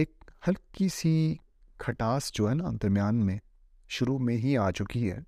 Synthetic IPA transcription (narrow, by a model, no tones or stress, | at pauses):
eːk̚hɐlkisi | kʰɐʈaːsd͡ʒoːɦɛːnaɐ̰̃nt̪əɾmjaːnmẽ | ʃʊɾumẽɦiaːt͡ʃʊkiɦɛ̰ː